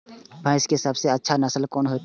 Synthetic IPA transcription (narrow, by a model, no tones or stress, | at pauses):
bãɪskesɐbseɐtːʃʰanɐsəlkɔːnɦo